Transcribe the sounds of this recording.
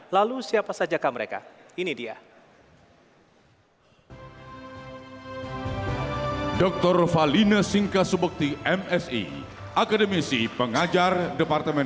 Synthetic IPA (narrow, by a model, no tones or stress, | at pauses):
lalusiapasad͡ʒakaməɾeka̰inidia̰ | dɔk̚t̪ɔrfalinasiŋkasəbək̚t̪iɛmɛsḭ | ʔakadəmisipəŋad͡ʒardəpart̪əmɛn